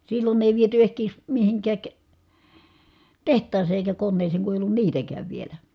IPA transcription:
silːon eˑi ʋiety ehkeˑi̯s mihiŋkæːk tehtˑɑːseː eˑi̯kæ konːeːseːŋ ku eˑi̯ olːun niːtækæːʋ ʋielæ

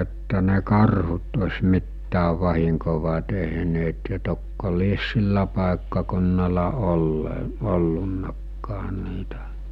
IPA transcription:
etːæ ne kɑrhut osʲmitːæːʋ ʋɑhiŋkoʋɑ teɦneːt jɑ tokːo lies silːæ pɑˑekːɑkunːɑlɑ olːe olːunːɑkːɑː niːtæ

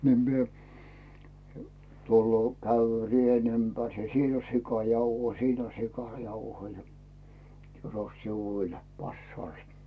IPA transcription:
ni mie tulːoː kæyʋːy̆ø rien ympærs jɑ siːn on sikɑˑr jɑuhoi jɑ sin on sikɑˑrjɑuhoi jɑ tyros siʋuːl pɑsːɑːlstɑ̥

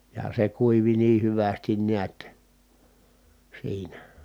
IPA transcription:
jɑ se kuiʋi niː hyʋæstin niæt siːnæ

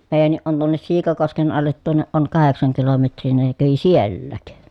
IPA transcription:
meːjænːiʔ ʔon tuonːes siːkɑkosken ɑlːet tuonːeʔ ʔoŋ kɑheksɑŋ kilometrˑiː ni ne kæʋi sielːæːk

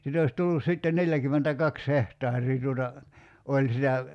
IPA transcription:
sit ois tulːus sitːen neljækymːentækɑks hehtɑːrˑiː tuotɑ olʲ sitæ

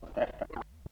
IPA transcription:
ole tæsːæ

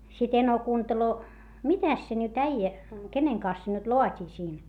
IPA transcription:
sit eno kuːnteloː mitæs se nyt æijæ keneŋ kɑns se nyt loɑtʲiː siːn

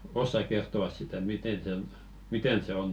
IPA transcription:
osːɑk kertˑoɑs sitæ miten sen miten se on

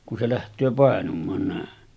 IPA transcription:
ku se læhtˑøː pɑˑenumˑɑːn næˑen

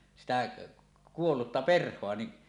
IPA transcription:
sitæ kuolːutːɑ perhˑoɑ ni

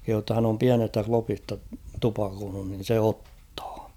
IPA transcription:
kehuː tːɑ hæn om piænestæ klopistɑ tupɑkoːnun nin̞ se otːɑ̥ː

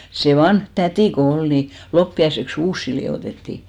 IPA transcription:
se ʋɑnh tætiˑ ko ol ni lopːiɑiseks uːsːi lioˑtetːi

